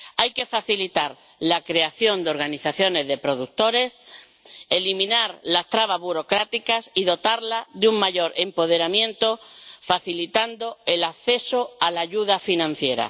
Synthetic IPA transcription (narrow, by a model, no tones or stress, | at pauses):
ajke̞faθilit̪aɾ | lakɾe̞aθjo̞nd̪eo̞ɾɣaniθaθjo̞ne̞zðe̞pɾo̞ð̞uk̚t̪o̞ɾe̞s | e̞limĩnaɾlast̪ɾaβ̞azβuɾo̞kɾat̪ikasiðo̞t̪aɾlaðeuŋmaʝo̞ɾe̞mpo̞ð̞e̞ɾamjẽ̞nt̪o̞faθilit̪and̪o̞elaθe̞so̞alaʝuðafinãn̟θje̞ɾa̰